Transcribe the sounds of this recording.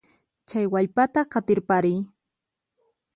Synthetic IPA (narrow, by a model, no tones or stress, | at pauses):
t͡ʃajwaʎpat̪aɢɑt̪ɪɾpaɾɪj